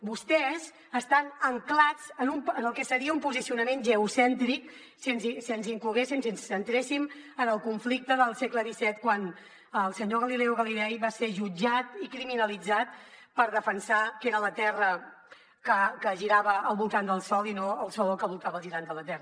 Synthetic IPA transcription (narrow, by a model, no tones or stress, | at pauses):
bust̪ɛz | əst̪anəŋklad͡zənumənəlˠkɛsəɾiəumpuzisiunəmẽnʒəusɛnt̪ɾik | snzisiənziŋkluɣesimsinsənt̪ɾesimənəlˠkuɱflik̚t̪əðəlˠsekləðisɛt̪kwan | əlˠsəɲoɣəlilɛwɣəlilɛjβaseʒud͡ʒat̪ikɾiminəlid͡zat̪̚ | pəɾðəfənsakeɾələt̪ɛrə | kəkəʒiɾaβəəlˠβulˠt̪and̪əlˠsɔlˠinoəlˠsɔlˠkəβulˠt̪aβəlˠʒiɾand̪ələt̪ɛrə